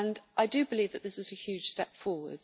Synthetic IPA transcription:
ə̃nʔaɪdəbɪliːvðəʔðɪsɪzəhjʉːd̥ʒ̥stɛpfɔːwə̰d̥

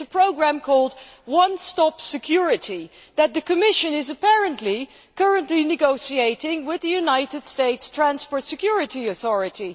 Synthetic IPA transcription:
əpʰɹ̥oʊɡɹæ̃mkʰɔlˠd̚wʌ̃nstɑpsɨkʰj̥ʊɹɨɾi | ðɨt̪̚ðɨkʰɨmɪʃɨ̃nɨzɨpɛɹɨ̃nʔli | kʰɜ˞ɨ̃nʔlinɨɡoʊsieɪɾɪ̃ŋwɪðɨjʉnaɪɾɨd̥steɪtstʰɹ̥æ̃nspɔɹtsɨkʰj̥ʊɹɨɾiɨθɔɹɨɾi

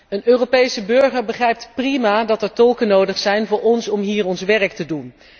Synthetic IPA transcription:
ənøːropejsəbɵɹχəɹbəχrɛjp̚tprimaːdɑtɛɹtɔlˠkənowdəχsɛjnvʊːɹɔnsɔmɦiːɹɔnsʋɛrəktədun

